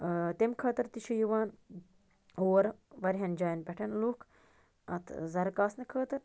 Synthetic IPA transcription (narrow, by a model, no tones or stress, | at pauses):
t̪emkʰɐːt̪ɐɾt̪iʃʰɐjuʋaːn | oːɾʋɐɾʲɦɐnd͡ʒaːjɐnpʲeʈʰɐnluːkʰ | ɐt̪ʰzɐɾkaːsnɨkʰəːt̪ɐɾ